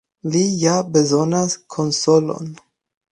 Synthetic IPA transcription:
lijabezonaskʰonsolo̰n

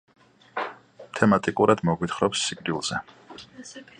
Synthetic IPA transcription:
t̪ʰɛmat̪ʼikʼuɾad̪mɔɡwit̪χɾɔpsːikʼɾiulˠz̥ɛ

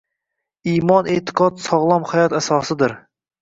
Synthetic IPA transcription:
imɑnet̪ʰɨ̥qʰɑt̪sɑʁlˠɑmχɑjɑt̪æsɑːsɨd̪ɪɾ

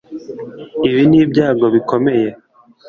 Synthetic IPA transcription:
iβiniːbɟaːɡo̞βikʰo̞me̞je

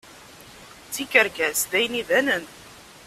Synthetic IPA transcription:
t͡sːikəɾkæsðæjniðænən

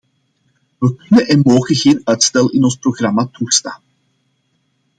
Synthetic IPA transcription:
ʋəkɵnənʔɛnmoːɣənɣeːnœɥtstɛlˠɪnɔnsproɣrɑmaːtuxstaːn

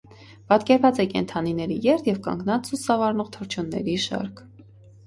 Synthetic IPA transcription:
pɑt̪kɛɾvɑt͡sɛkɛ̰nt̪ʰɑninɛɾijɛɾt̪ʰjɛvkɑ̰ŋɡnɑt͡st͡susɑvɑɾnɔʁt̪ʰəɾt͡ʃʰjunːɛ̰ɾiʃɑ̰ɾkʰ

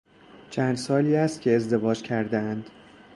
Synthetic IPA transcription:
t͡ʃʰænd̪sɒːliːæst̪̚cʲʰeezd̪e̞vɒːd͡ʒcʰæɾd̪eænd̪̥

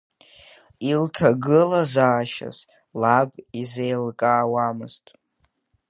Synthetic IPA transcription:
iltʰaɡɨlazaːʃa̰z | labizejlkʼaːwamɨz̥tʼ

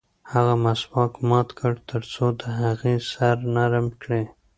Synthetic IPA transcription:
haɣamaswɑkmɑt̪kʰəɽt̪ʰəɾt͡sod̪əɦaɣesaɾnaɾmkɽe

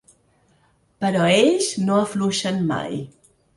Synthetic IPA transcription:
pəɾɔeʎznoəfluʃənma̰j

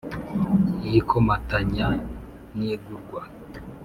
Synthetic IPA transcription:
jikʰomataɲa | nieɡuɾɡwa

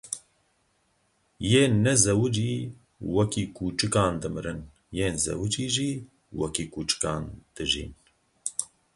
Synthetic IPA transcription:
jeːnɛzɛwɨd͡ʒiː | wɛkiːkʰuːt͡ʃɨkɑːnd̪ɨmɨɾɨn | jeːnzɛ̰wɨd͡ʒiːʒiː | wɛkiːkuːt͡ʃɨ̥kɑːnd̪̥ɨʒḭːn

